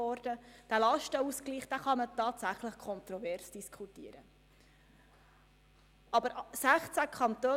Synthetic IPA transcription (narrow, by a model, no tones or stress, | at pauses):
ɔːɾdəd̥ælɑʃtəuskliːχd̥æːχɑmətɑːtsæχləχkʰɔnt̪ɾɔvɛɾsd̥iskʰutiəɾə | ʔɑbəɾsæχt͡sækʰɑnt̪øː